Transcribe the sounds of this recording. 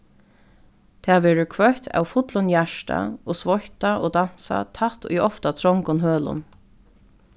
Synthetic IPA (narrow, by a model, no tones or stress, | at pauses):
t̪ʰɛːʋɛːɹʊkʰvœht̪ʰa̰wfʊt̪lʊnjaʂʈa̰oːsvɔçt̪aʔoːd̪an̥sa̰t̪ʰaht̪ʊ̰jɔft̪at̪ʰɾɹɔŋkʊnɦøːlʊ̰n